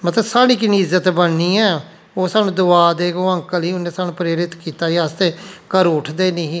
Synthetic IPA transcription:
mət̪ləbsaːɽ̃iːkɪniːɪzːət̪bənniːɛː | oːsaːnũːd̪ʊaːd̪eːɡoːəŋkəliːʊnːeːsaːnũːpɾeːɾɪt̪kiːt̪aːiast̪eːkəɾʊʈʰd̪eːniɦ

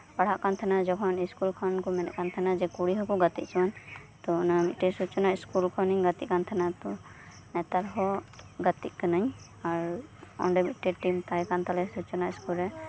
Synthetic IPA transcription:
pɐɽ̤aʔkant̪ʰɛnad͡ʒɔkʰɔniskulkʰɔnkumɛnɛ̰kant̪ʰɛnad͡ʒɛkuɽiɦɔkuɡət̪iʔt͡ʃʰiwan | t̪ɔnamiʈisut͡ʃɔnaiskulkʰɔnĩɡat̪ikant̪ʰɛnat̪ɔ | mɛt̪aɾɦɔɡat̪inaɲ | aɾɔ̰ɳɖəmiʈiɖʈimt̪ajkant̪alɛsut͡ʃɔnaiskulɛ

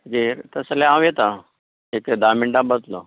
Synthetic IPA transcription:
ɡeɾt̪əslẽãʋjet̪a | eked̪amiɳɖabət̪lo

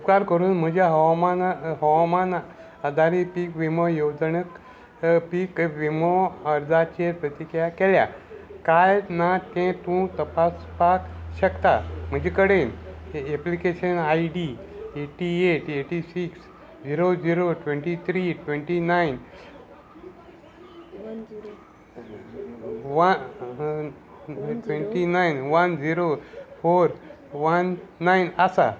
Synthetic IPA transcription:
upkaɾkəɾuːnm̤əd͡ʑjaɦɔwmanɦɔwman | ad̪ʱaɾipikʋimɔjod͡zɳək | pikʋimoəɾd̪ʱat͡ɕeɾpɾət̪ikjakelja̰kajnat̪ẽt̪ũt̪əpaspakɕəkt̪am̤əd͡ʑekəɽeneplikeɕənaiɖieʈieʈeʈisiks | d͡ʑiɾod͡ʑiɾoʈʋẽɳʈit̪ʰɾiʈʋẽɳʈinain | ʋ | ʈʋẽɳʈinajnʋənd͡ʑiɾofoɾ | ʋənːainasa̰

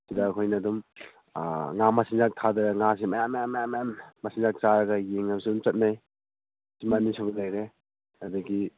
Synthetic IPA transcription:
sidaːkʰojnɐdum | ŋamɐsinzak̚tʰadɐɾɐŋas̬imɐjamːajamːajamːajammɐsĩnzak̚t͡ʃaɾɐɡɐjeŋnamsidumt͡ʃɐt̚naj | simanisʰubɐlajɾe | ɐdɐɡi

